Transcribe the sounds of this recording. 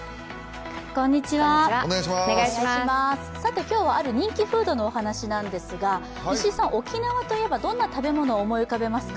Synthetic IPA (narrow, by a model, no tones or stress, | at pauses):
kõ̞ɲ̟ːit͡ɕiβaneeɡaɕimasɨ̥sat̪e̞kʲo̞ːβaaɾɯ̟ɲ̟ĩŋkʲiɸɯ̟ːd̪o̞no̞ːhanaɕinãnd̪e̞sɨɡa | iɕisãɰ̃ʔo̞kʲinaβat̪o̞ije̞bad̪õ̞nːat̪abe̞mo̞no̞ːmo̞ikabe̞masɨ̥k